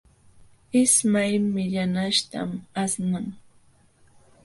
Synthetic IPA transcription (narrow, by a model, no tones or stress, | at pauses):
ɪsmajmɪʎanaʃt̪a̰masnaŋ